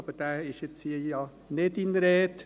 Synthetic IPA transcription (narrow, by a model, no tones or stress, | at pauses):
ɑb̥əd̥æːɪʃjet͡shiːjɑː | nedinɾɛːt